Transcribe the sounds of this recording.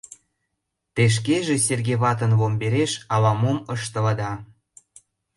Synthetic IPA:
t̪eʃ̬keʒeserɣʲeβɑt̪̬ə̆nβombeɾeʃɑlɑmoməʃt̪ə̆lɑd̪ɑ

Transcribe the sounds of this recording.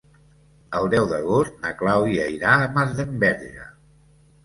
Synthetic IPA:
əlˠd̪ɛwðəɣ̞ost̪̚nəklawiəiɾaəmazðəmbɛɾʒə̰

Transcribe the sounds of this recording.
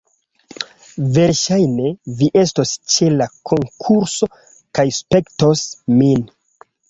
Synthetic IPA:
ve̞ɾʃajne̞viʔe̞sto̞st͡ʃe̞lakʰo̞ŋkʰuɾso̞ | kajspe̞kto̞smin

